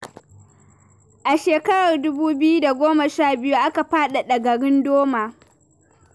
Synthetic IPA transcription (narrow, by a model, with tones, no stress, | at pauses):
ʔa˨ʃeː˨kɐ˦ɽɐ˨rdʊ˦buː˦bɪ˦ju˦da˨ɡʷoː˦ma˨ʃaː˦˨bɪ˦ju˦ʔa˦ka˨ɸaː˦ɗa˨ɗɐ˨ɡɐ˨ɽɪ˦ndoː˦maː˨